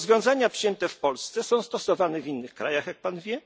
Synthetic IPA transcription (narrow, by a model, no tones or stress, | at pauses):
zvʲjɔ̃w̃zaɲapʂjɛnt̪ɛfpɔlst̪sɛsɔ̃w̃st̪ɔsɔvanɛvʲinːɘxkɾajaxjak̚panvʲjɛ